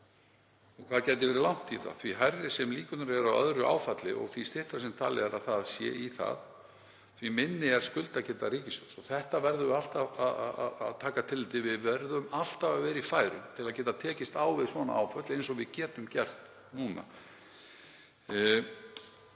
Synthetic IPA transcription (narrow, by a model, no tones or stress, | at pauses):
ɔɣkʰv̥aðcɛjt̪̬ɪvɛːɾɪlawn̥t̪iθa̰ðθviɦajɾðɪsɛmliːkʏnaɾɛɾaœ̰ðɾʏʔa̰ːwfat̪lɪ̰ʔɔ̰ɣθvist̪ɪht̪ḁsɛmt̪ʰa̰ːlɪ̰ɛɾaðθaðsjɛ̰ːiθa̰ð | θvimɪnːɪɛɾ̥skʏlt̪aðcɛːt̪aɾiːcɪsʏsɔθɛht̪avɛɾðʏal̥t̪avaðaa̰ðt̪ʰaːkat̪ʰɪlːɪːt̪ɪvɪðvɛɾðʏmal̥t̪avavɛːɾifaːjɾʏ̰mt̪ʰɪlaðcɛːt̪at̪ʰɛːcɪst̪aːwvɪðsvɔna̰ʔa̰wfœt̪lɪejns̬ɔvɪðcɛːt̪ʏmcɛr̥t̪ | nuːna̰